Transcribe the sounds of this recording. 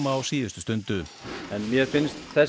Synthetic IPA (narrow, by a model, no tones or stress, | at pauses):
maːwsiːðəst̪ʏst̪ʏnt̪ʏɛnmjɛfɪnst̪θɛ